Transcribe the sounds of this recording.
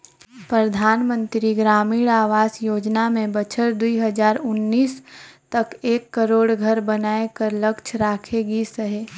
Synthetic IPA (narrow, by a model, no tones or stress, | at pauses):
pɾɐd̪ʱaːnmə̃nt̪ɾiɡɾaːmiːɽaːʋaːsjoːd͡ʒnamẽbɐt͡ʃʰəɾd̪uiɦɐd͡ʒaːɾʊnːiːst̪ɐkeːkːəɾoːɽɡʱɐɾbɐnaːekɐɾlɐkt͡ʃʰɾaːkʰeɡisəɦeː